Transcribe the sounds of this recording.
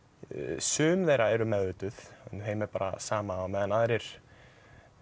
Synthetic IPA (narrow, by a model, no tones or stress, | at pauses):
sʏːmðejɾaɛɾʏmɛðvɪt̪ʏθɛnθejmɛɾpaːɾa̰saːmaːwmɛːðanaːðɾɪɾ̥